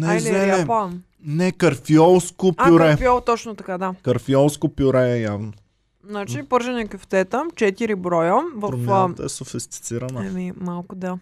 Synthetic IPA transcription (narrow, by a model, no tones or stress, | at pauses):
nɛzɛɛlɛpam | nɛkɐɾfiɔlˠskopaʊɾɛfiɔlˠt̪ɔt͡ʃnot̪ɐkad̪akɐɾfiɔlˠskopjʊɾɛɛjavno | znat͡ʃipɤɾʒənɛkəft̪ɛt̪əmt͡ʃɛt̪iɾibɾɔjəvɐɾofmt̪ɛsofist̪i̥t̪siɾɐnəɐmimalˠkʊd̪a